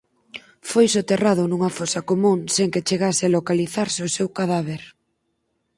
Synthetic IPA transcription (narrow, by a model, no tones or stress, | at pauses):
fojsot̪erað̞ʊnuŋɐfosɐkomũŋseŋket͡ʃeɣasɪalokaliθaɾseʊsewkaðaβ̞eɾ